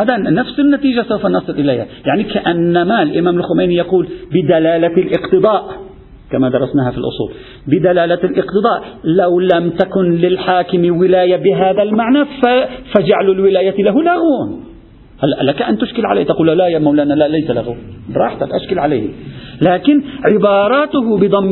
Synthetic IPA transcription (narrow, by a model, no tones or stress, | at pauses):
haːd̪anafsɪnːat̪iːʒasawfanɑsˤɨlʔɪlajhajaʕnikaʔanːamaɪlʔɪmaːmɪlxʊmajnijɑquːlbɪd̪alaːlalʔɪqt̪ɨd̪ˤɑːʔ | kamad̪ɑɾˤɑsnaːɦafilʔʊ̰sˤṵːl | bɪd̪alaːlalʔɪqt̪ɨd̪ˤɑːʔlawlamt̪akʊnlɪlħaːkɪmiwɪlaːjabɪɦaːðalmaʕnaffad͡ʒaʕalʊlwɪlaːjalaɦʊlaɣuːn | halːaʔlakaʔant̪ʊʃkɪlʕala̰jht̪aquːlːalaʔjaːmawlaːnalaʔlajsalaɣubɾˤɑːħt̪a̰lʔaʃkɪlʕala̰ːhlaːkɪnʕɪbɑːɾˤɑːt̪ʊɦʊbɪd̪ˤɑmː